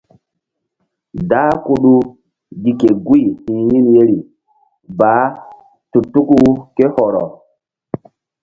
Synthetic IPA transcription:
daː˦ku˦ɗu˦ | ɡi˨ke˨ɡu˦i˨hĩ˨ji˦nje˦ɾi˨ | ba˨˦ | tu˨tu˦ku˦ke˦hɔ˨ɾɔ̰˨

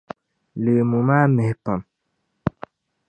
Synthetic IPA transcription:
le˨mu˨maː˦me˨hpə˨m

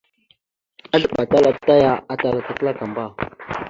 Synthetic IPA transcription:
a˦ɮə˦˨ɓa˨ta˦la˨p̚ta˦ja˦a˦ta˨la˨ka˨kə˦la˦ka˨mba˦˨

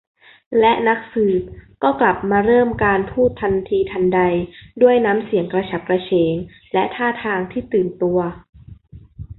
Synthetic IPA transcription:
lɛ˦˥ʔna˦˥k̚sɯː˨˩p̚kɔː˥˩kla˨˩p̚maː˧ɾɤː˥˩mkaː˧npʰuː˥˩t̪ʰːa˧nt̪ʰiː˧t̪ʰa˧nda˧jdu˥˩əjnaː˦˥msi˨˩˦əŋkɾa˧t͡ɕʰa˨˩p̚kɾa˧t͡ɕʰeː˩˦ŋ | lɛ˦˥t̪ʰaː˥˩t̪ʰaː˧ŋt̪ʰiː˥˩t̪ɯː˨˩nt̪u˧ɐ

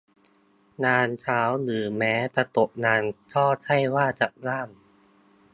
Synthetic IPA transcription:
naː˧nt͡ɕʰaː˦˥wlɯː˩˦mɛː˦˥t̪a˧˩t̪o˨˩ʔ̚naː˧nt͡ɕʰɔː˥˩t͡ɕʰa˥˩jwaː˥˩t͡ɕa˨˩ʔ̚laː˥˩m

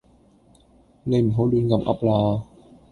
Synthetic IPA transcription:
le˧˩m˨ɦo˨˦˥wduː˧nka˧mʔa̰˦˥p̚laː˧

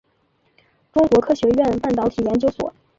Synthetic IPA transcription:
ʈ͡ʂʊ˥ŋkwɔ˧˥kʰɤ˥ɕɥɛ˧˥ɥɛ˥˧npa˥˩nt̪ɑ˧˥ʊt̪ʰi˨˩jɛ˧˥nt͡ɕjo˥ʊswɔ̰˨˩˦

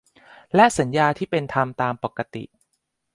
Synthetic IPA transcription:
lɛ˦˥ʔsa˩˦njaː˧t̪ʰiː˥˩pe˧nt̪ʰa˧mt̪aː˧mpa˨˩kːa˧t̪ḭ˨˩ʔ

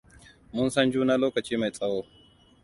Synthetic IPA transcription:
mʊ˦nsɐ˦nd͡ʒuː˦na˦loː˦kɐ˨t͡ʃiː˦ma˨jsʼɐ˦woː˦

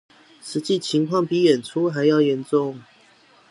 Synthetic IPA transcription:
ʂɻ̩˧˥t͡ɕi˥˨t͡ɕʰi˧˥ŋkʰwɑ˥˨ŋpi˨˥˦jɛ˨˩nʈ͡ʂʰu˦ɦa˧˥ɪjɑ˥˨ʊjɛ˨˧˥nʈ͡ʂʊ˥˨ŋ

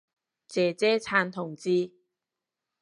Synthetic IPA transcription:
t͡sɛː˨˩t͡sɛː˥t͡sʰaː˧nt̪ʰʊ˨˩ŋt͡siː˧

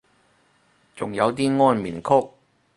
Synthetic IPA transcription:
t͡sʊ˨˩ŋjɐ˨˧wt̪̬iː˥ŋɔː˥nmḭː˨˩nkʰʊ˥k̚

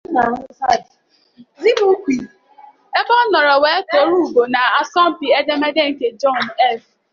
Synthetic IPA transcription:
na˨˦a˦˨ | zi˦bu˦kʷi˨ | e˦bɔ˦n̩˦nɔ˨ɾɔ˨we˨˦to˨˦ɾu˦u˨bo˨na˨a˦sɔ˦m̩˦pi˨e˦de˦me˦de˦ŋ̩˦ke˨d͡ʒɔ˦˨n˨ɛ˦˨f

